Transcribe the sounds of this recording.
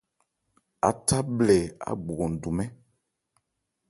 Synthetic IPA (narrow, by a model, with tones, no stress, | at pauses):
a̰˨ta˦blɛ˨a̰˨ɡ͡bɡo˨du˨mɛ̃˦